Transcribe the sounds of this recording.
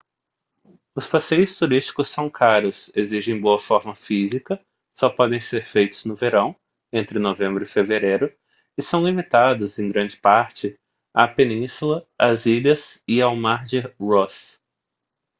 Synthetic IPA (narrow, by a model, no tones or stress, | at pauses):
ʊspasejʊst̪uɾist͡ʃi̥kʊsːɐ̃w̃kʰaɾʊseziʒẽj̃boɐfɔɾmɐfizikɐ | sɔpɔd̪ẽj̃seɾfejt̪ʊznʊveɾɐ̃w̃ | ẽnt̪ɾɪnovẽmbɾʊifeveɾejɾʊ | ɪsɐ̃w̃limit̪ad̪ʊzẽj̃ɡɾɐ̃nd͡ʒɪpaɾt͡ʃɪ | apenĩsulɐaziʎɐzɪawmaɾd͡ʒɪɾɔs